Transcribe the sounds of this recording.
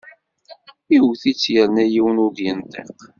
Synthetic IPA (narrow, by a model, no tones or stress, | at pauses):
iwθit͡sːjəɾnæjiwnʊd̪jənt̪ə̰q